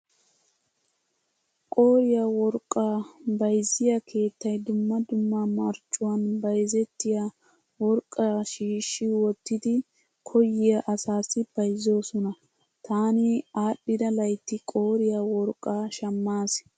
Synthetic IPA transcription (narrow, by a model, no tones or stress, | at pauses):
kʼo̞ːɾɪjawɔɾkʼːaːbɐjzːɪjɐkʰe̞ːt̪ːɐjd̪ʊmːɐd̪ʊmːɐmɐɾt͡ʃʼːʊwɐnbɐjzɛt̪ːɪja | wɔɾkʼːɐʃiːʃːɪwɔt̪ːɪd̪ɪ | kʰɔjɪjɐʔɐsaːsɪb̥ɐjzo̞ːsɔnɐ | t̪ʰaːnɪaːpʼːɪd̪ɐlɐjt̪ːɪkʼo̞ːɾɪjawɔɾkʼːaːʃɐmːaːs